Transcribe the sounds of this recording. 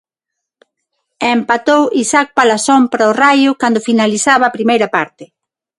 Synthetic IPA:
empat̪owʔisak̚palasɔmpɾaorajʊkand̪ʊfinalisaβaːpɾimejɾɐpaɾt̪ɪ

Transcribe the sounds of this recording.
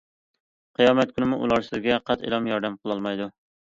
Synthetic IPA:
qʰijɑːmɛt̪̚kʲʰynɪmuʔṵlˠɑɾsɨzɡʲɛqʰɑt̪ʰḛlˠɑmjɑɾd̪ɛmqʰəlˠɑlˠmɑjd̪u

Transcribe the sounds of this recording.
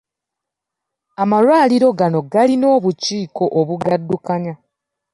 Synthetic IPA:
amaɾwaːliɾo̞ɡano̞ɡalino̞ːβuciːko̞ʔoβuɡadːukaɲa

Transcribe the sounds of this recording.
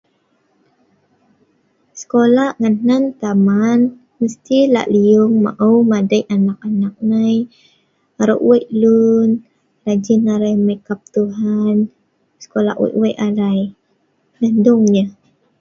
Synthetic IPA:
sə̥kolaŋannant̪aman | məst̪ila̰ʔliʊŋma̰ʔuwmadajanak̚anak̚naj | aɾo̰ʔweʔlun | lad͡ʒinaɾajməkap̚t̪uɦan | sə̥kola̰ʔwɛ̰ʔwɛʔaɾaj | nandʊŋɲa

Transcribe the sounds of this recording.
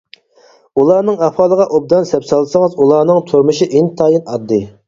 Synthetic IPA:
ulˠɑːnɨŋɑfɑːlˠəʁɑʔob̚d̪ɑnsɛpsɑlˠsəŋɨzulˠɑːnɨŋt̪ʰoɾmɨʃiʔint̪ʰɑːjinɑd̪ːɨ

